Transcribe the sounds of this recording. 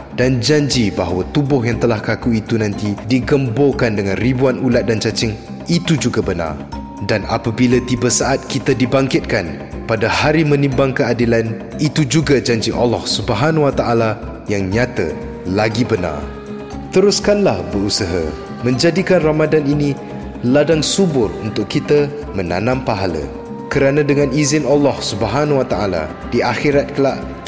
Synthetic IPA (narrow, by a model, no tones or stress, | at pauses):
dand͡ʒaɲd͡ʒibaɦawat̪ubʊhjaŋt̪əlahkakuit̪unãnt̪idiɡəmbokandəŋãnribuanulat̪̚dant͡ʃat͡ʃɪŋ | it̪ud͡ʒuɡabəna̰r | dana̰pabilat̪ibəsaʔat̪̚kit̪adibaŋkɪt̪̚kan | padahaɾimə̃nĩmbaŋkəadilan | it̪ud͡ʒuɡad͡ʒaɲd͡ʒiʔa̰lːɔhsubəɦanwat̪aʔala | jaŋɲat̪ə̰ | laɡibəna̰r | t̪əɾuskanlahbəɾusəɦa̰ | mə̃ɲd͡ʒadikanramadanini | ladaŋsubʊrunt̪ʊkːit̪ə | məna̰nãmpaɦalə̰ | kəɾanãdəŋãnizɪnalːɔhsubəɦanwat̪aala̰ | diʔaxiɾat̪̚kəlaʔ